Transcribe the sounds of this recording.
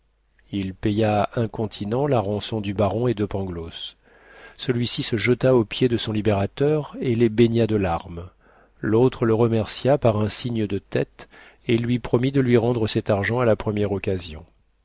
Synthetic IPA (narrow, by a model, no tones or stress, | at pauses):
ilpejaɛ̃kɔ̃t̪ʰinɑ̃laʁɑ̃sɔ̃d̪ybaʁɔ̃ed̪əpɑ̃ɡlos | səlɥisisəʒət̪aopjed̪əsɔ̃libeʁat̪œʁelebeɲjad̪əlaʁm | lot̪χələʁəmɛʁsjapaʁɛ̃siɲəd̪ət̪ɛt̪ | elɥipχɔmid̪əlɥiʁɑ̃d̪ʁəsɛt̪aʁʒɑ̃alapχəmjɛʁɔkʲazjɔ̰̃